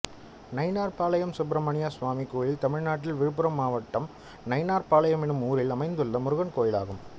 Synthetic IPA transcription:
nɐɪnaːɾpaːlɐjɐmsʊp̬ɾɐmɐɳɪjaːsʋaːmikuːɻɪlt̪ɐmɪɻnaːʈːɪlʋɪɾɯp̬ːɯɾɐmːaːʋɐʈːɐm | nɐɪnaːɾpaːlɐjɐmɪnɯmuːɾɪlɐmɐɪnd̪ɯlːɐmʊɾʊɣɐnkoːjɪla̰ːɣɯm

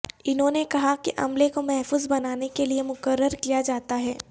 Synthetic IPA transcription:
ɪnɦõːnekɐɦakiʔɐ̰mlẽkomɛɦfuːzbɐnaːnekeliemʊkəɾːəɾkijad͡ʒaːt̪aɦɛː

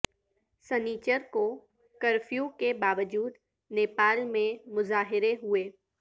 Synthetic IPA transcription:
səniːt͡ʃəɾko | kəɾfjukebaːʋəd͡ʒuːd̪ | neːpaːlmẽmʊzaːɦɪɾeɦʊeː

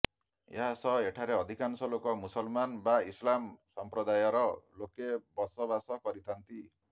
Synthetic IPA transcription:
jaasʌeʈʰaɾeʌd̪ʱikansʌlokɔmusʌlmanbaislamsʌmpɾɔd̪ajɔɾʌlokebʌsʌbasʌkʌɾit̪ʰant̪i

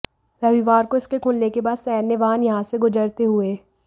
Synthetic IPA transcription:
ɾɐʋiʋaːɾkoɪskekʰulnekebaːd̪sɛːnːeʋaːnjɐɦãseɡʊd͡ʒəɾt̪eɦʊeː

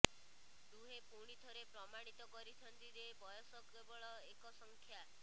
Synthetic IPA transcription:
d̪uɦepuɽ̃it̪ʰɔɾepɾɔmaɽ̃it̪ɔkɔɾit̪ʰɔnt̪iɾebɔjɔsɔkebɔɭɔekɔsɔŋkʰja

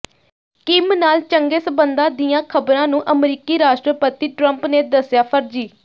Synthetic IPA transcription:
kɪmnaːlt͡ʃəŋɡeːsəbənd̪ãːd̪ɪjãːkʰəbɾãːnũːʔəmɾiːkiːɾaːʃʈɾəpət̪iːʈɾəmpneːd̪əsjaːpʰəɾd͡ʒiː

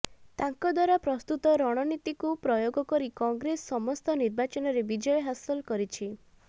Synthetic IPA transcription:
t̪aŋkɔd̪waɾapɾɔst̪ut̪ɔɾɔɽ̃ɔnit̪ikupɾɔjoɡɔkɔɾikɔŋɡɾesːɔmɔst̪ɔniɾbat͡ʃɔnɔɾebid͡ʒɔjɔɦasɔlkɔɾit͡ʃʰi

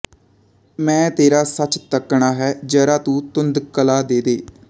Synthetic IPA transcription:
mɛ̃ːt̪eːɾaːsət͡ʃt̪əkɳaːɦɛːd͡ʒɛːɾaːt̪ũːt̪ʊnd̪kəlaːd̪eːd̪eː

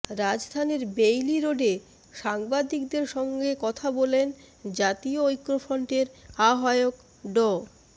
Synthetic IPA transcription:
ɾad͡ʑd̪ʱaneɾbejliɾoɖe | ʃaŋbad̪ik̚d̪eɾʃɔŋɡekɔt̪ʰabolen | d͡ʑat̪ioojkːɾofɔɳʈeɾaɦaeok | ɖɔ

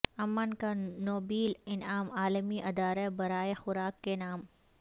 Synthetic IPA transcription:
ɐmːənkanoːbiːlɪnaːmaːləmiʔɪd̪aːɾebɐɾaːexʊɾaːkːenaːm

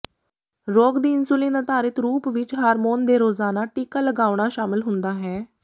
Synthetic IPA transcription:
ɾoːɡd̪iːɪnsʊliːnət̪aːɾɪt̪ɾuːpʋɪt͡ʃɦaːɾmoːnd̪eːɾoːzaːnaːʈiːkaːləɡaːʋɽaːʃaːmɪlɦʊnd̪aːɦɛː

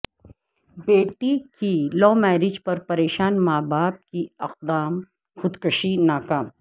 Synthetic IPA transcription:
beːʈikilɔːmɛːɾɪd͡ʒpɐɾpɐɾeːʃaːnmaːbaːp̚kiɐq̚d̪aːm | xʊd̪kəʃinaːkaːm

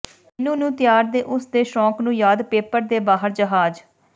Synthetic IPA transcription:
ɪnũːnũːt̪ɪjaːɾd̪eːʔʊsd̪eːʃɔːknũːjaːd̪peːpəɾd̪eːbaːɦəɾd͡ʒəɦaːd͡ʒ

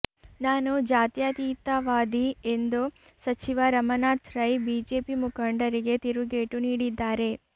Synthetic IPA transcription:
naːnud͡ʒaːt̪jat̪iːt̪ːaʋaːd̪ie̞nd̪u | sɐt͡ʃiʋɐɾɐmɐnaːt̪ɾɐjbiːd͡ʒeːpimukʰɐɳɖɐɾiɡe̞t̪iɾuɡeːʈuniːɽid̪ːaːɾe̞

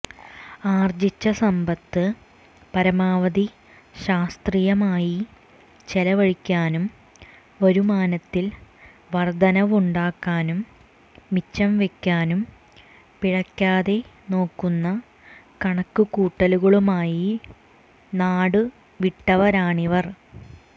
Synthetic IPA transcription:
aːrd͡ʑit͡ɕːɐsɐmbɐt̪ːɨ | pɐɾɐmaːʋɐði | ɕaːst̪riːjɐmaːji | t͡ɕelɐʋɐɻikʲːaːnum | oɾumaːnɐt̪ːil | ʋɐrd̪ɐnɐʋuɳɖaːkːaːnumː | it͡ɕːɐmʋe̞kʲːaːnum | piɻɐkʲːaːðe̞ | no̞ːkːunːɐ | kɐɳɐkːukuːʈːɐluɣɐɭumaːji | naːɽɨ | ʋiʈːɐʋɐɾaːɳiʋɐr

